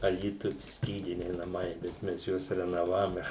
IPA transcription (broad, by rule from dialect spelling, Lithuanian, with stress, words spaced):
ɐˈlʲiːtʊj ˈsʲkʲiːdʲɪnʲɛɪ nɐˈmɐɪ bʲɛt ˈmʲɛs ˈjuɔs rʲɛnoːˈʋɑːʋoːmʲɛ